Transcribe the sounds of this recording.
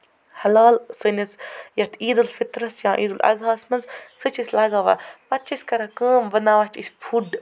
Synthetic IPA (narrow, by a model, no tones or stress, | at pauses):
hɐlaːlsɨnɐsjɐt̪ʰiːd̪ulfit̪ɾɐsjãːʔiːd̪ulʔɐ̰ɡaːsmɐnzsɨt͡ʃʰisʲlɐɡaːʋa̰pɐt̪̚t͡ʃʰisʲkɐɾakəːmʋɐnaːʋat͡ʃisʲpʰuɖ